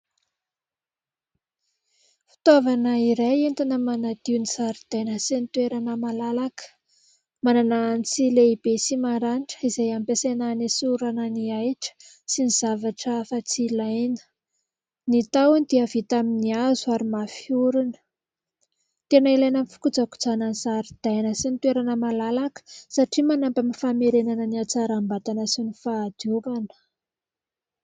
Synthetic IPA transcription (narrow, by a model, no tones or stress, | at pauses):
fi̥t̪avanəiɾajent̪inəmanad̪̥iwnisaɾid̪̥enəsenit̪weɾanəmalalakə̥ | manananit͡sileib̥esimaɾaniʈ͡ʂə̥izajampesenanesuɾananiajʈ͡ʂə̥ | siniz̥avaʈ͡ʂəfat͡silanə̥ | nit̪awnid̪iavit̪aminiazuaɾimafiuɾunə | t̪enailajnəmfu̥kud͡zaku̥d͡zanansaɾid̪̥ajnəsinit̪weɾanəmalalakə̥saʈ͡ʂimanampamifameɾenanəniat͡saɾambat̪anəsinifaːd̪̥uvanə̥